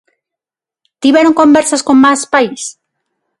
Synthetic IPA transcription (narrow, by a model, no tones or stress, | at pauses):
t̪iβjeɾoŋkõmbeɾsaskoŋmaspais